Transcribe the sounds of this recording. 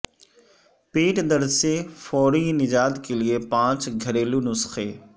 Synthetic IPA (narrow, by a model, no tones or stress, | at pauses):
piːʈd̪ɐɾsefɔːɾinɪd͡ʒaːd̪keliepãːt͡ʃɡʱɐɾeːlunʊsxeː